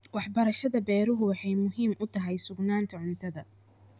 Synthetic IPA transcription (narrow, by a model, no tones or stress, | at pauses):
wɑħbɐɾɐʃɐðɐbɛːɾʊɦʊwɑħɑjmʊɦiːmʔʊt̪ʰɐɦɛjsʊɡnaːnt̪ʰɐʕʊnt̪ʰɐðɐ